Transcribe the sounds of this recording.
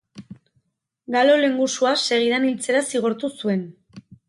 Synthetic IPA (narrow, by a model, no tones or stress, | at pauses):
ɡalo̞le̞ŋɡusuase̞ɣ̞iðanilt͡se̞ɾasiɣ̞oɾt̪usue̞n